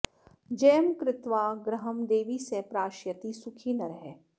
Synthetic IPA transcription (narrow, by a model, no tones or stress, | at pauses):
d͡ʒɛːəmkɾɪt̪ʋaːɡɾəɦəmd̪eːʋisepɾaːʃjət̪isʊkʰiːnɐɾɐɦɛː